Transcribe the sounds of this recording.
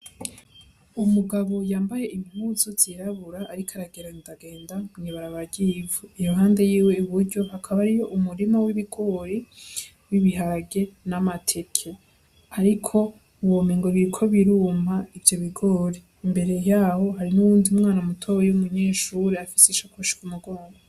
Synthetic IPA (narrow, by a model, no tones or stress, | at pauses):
umuɡaβo̞jaːmbaje̞ʔiβiɦuːzovz̥iɾaβuɾaːɾikʰaɾaɡeɾanidaɡe̞ːndaɲiβaɾaβaɟivuijo̞ɦaːnde̞jiːwe̞uβuɾɟo̞hakʰaβaɾijo̞ʔumuɾimawiβiɡo̞ɾe | wiβiɦaɾaɡe̞namatʰe̞kʰe | aɾikʰo̞ | uwomiŋɡo̞βiɾikʰo̞βiɾuːmhaivjo̞βiɡoɾe | imbe̞ɾe̞jaːho̞ɦaɾinuwuːndiumŋaːnamutʰowejumuɲe̞ːʃuːɾeafisiʃakoʃi̥kumuɡoːŋɡo